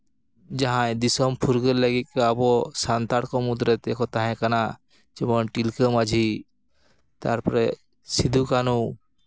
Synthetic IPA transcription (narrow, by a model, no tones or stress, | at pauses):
d͡ʒaɦãd̪isɔmpʰuɾɡəɾləɡik̪̚kabɔsant̪aɽkɔmud̪ɾɛt̪ekɔt̪aɦɛ̃kana | d͡ʒɔmɔnʈilkəmad͡ʒʱi | t̪a̰ɾpɔɾɛ | sid̪ʱukanu